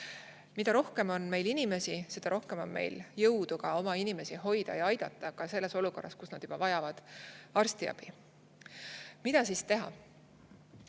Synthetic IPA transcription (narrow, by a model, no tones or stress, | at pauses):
mid̪̥ɑɾo̞hke̞mo̞nme̞jlinime̞sise̞d̪̥ɑɾo̞hke̞mo̞̰nme̞̰jljɤwd̪̥uɡ̥ɑo̞mɑinime̞siɦo̞jd̪̥ɑ̰jɑɑjd̪̥ɑt̪ːˑɑkɑse̞lːe̞so̞luko̞rːɑskusnɑd̪̥ub̥ɑvɑjɑvɑd̪̥ɑrst̪iɑ̰b̥i | mid̪̥ɑsiːst̪e̞ɦɑ̰